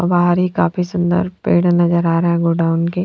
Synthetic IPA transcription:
ɔbaːɦəɾɦikaːpʰisʊ̃nd̪ə̰ɾpḛːɽnɐzəɾaːɾɐɦɛ̃ɡoːɖaːʊnke

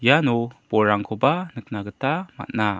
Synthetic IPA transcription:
janɔb̥ɔɾaŋkʰɔbanək̚naɡətama̰t̚na

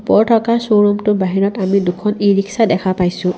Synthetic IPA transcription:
pɔɹtʰɔkasoɹɔmtʊbaɦiɹɔtamidʊkʰːɔniɹiksadɛkʰapajsʊ̃

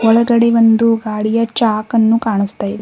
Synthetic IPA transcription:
ɔɭɐɡɐɽeʋond̪uɡaːɽijɐt͡ʃaːkɐnːukaːɳust̪aːjid̪e

